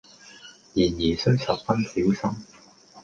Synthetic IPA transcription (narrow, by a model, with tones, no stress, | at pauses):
jiː˨˩njiː˨˩sɵ˥ɥsɐ˨p̚fɐ˥nsiː˨˥wsɐ˥m